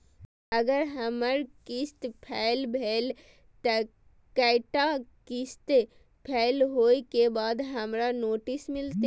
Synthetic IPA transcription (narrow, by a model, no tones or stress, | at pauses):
əɡəɾɦəməɾkɪst̪pʰɛːɪlbʱeːl | t̪ə | kəɪʈakɪst̪e | pʰɛːlɦoːikebaːd̪ɦɐmɾanoːʈɪsmɪlt̪e